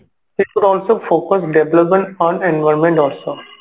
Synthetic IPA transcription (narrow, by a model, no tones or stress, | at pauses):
ɦiʈkʊɖɔːlsoːfoːkəsɖeʋləpmẽɳʈɔ̃ːnẽnʋaɪɾmẽɳʈɔːlsoː